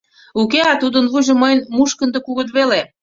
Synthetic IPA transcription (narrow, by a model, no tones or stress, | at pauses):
ukeɑt̪ud̪ənβujʒŏməjnmuʃkə̆nd̪ə̆kuɣə̆t̪βele